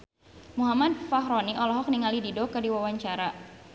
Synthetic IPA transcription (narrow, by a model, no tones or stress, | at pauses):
muɦamad̚faɦɾɔniʔɔlɔɦɔk̚niŋalididɔkɨrdiwawaɲt͡ʃaɾa